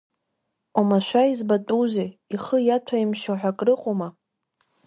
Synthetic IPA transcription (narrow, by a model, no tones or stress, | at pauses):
amaʃʷᶣaizbatʼuzeiχəjatʷʰaimʃoħʷᶣakʼrɨqʼoma